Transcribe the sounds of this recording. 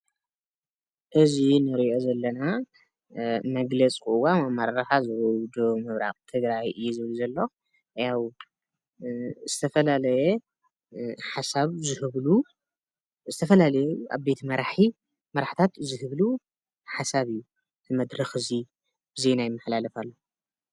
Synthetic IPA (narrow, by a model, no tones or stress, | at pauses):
ʔɨzinɨɾiʔo̞zɐlːɐna | mɐɡlɐt͡sʼkʼuʔwamamaɾaɾaħazɨwɔd̪omɨβɾa̰qʼt̪ʰɨɡɾajɨjːɛzɨβluzɐlːo | jaw | z̥ɨt̪ʰɐfɐlalɐjɛ | ħasaβzɨhɨβlu | zɨt̪ʰɐfɐlalɐjua̰βbe̞t̪ʰmɐɾaħi | mɐɾaħt̪ʰat̪zɨhɨβlu | ħasaβɨjːu | zɨmɐd̪ɾɐxɨzi | b̥ɨzenajɪmːaħlalɐfalːo